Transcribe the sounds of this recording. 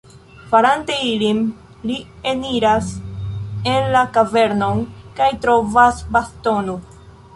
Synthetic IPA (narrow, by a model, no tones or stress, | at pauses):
faɾante̞ilim | lieniɾas | enlakave̞ɾno̞nkajtɾo̞vasbasto̞no